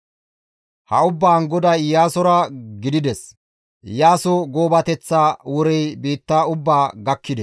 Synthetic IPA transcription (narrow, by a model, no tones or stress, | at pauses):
hɐʊbːaːŋɡɔd̪ɐjaːsɔɾɐɡɪd̪ɪd̪ɛs | jaːsɔɡoːbɐt̪ɛt͡sːaːwɔɾɛjbiːt̪ːaːʊbːaːɡɐkːɪd̪ɛ